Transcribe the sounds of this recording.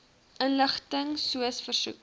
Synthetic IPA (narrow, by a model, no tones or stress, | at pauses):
ʔənləχtəŋsuəsfərsṵk̚